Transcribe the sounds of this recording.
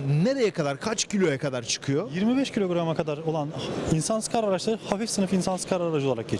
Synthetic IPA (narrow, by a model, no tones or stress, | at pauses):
ne̞ɾe̞jɛkʰad̪aɾkʰat͡ʃcʰilʲo̞jakʰad̪aɾt͡ʃʰɯ̥kʰɯjojiɾmibɛʃcʰilʲoɡɾamakʰad̪aɾo̞lˠaninsansɯ̥kʰaɾaɾat͡ʃlˠaɾɯhafifsɯnɯfinsansɯ̥kʰaɾaaɾad͡ʒɯolˠaɾak̚ɟe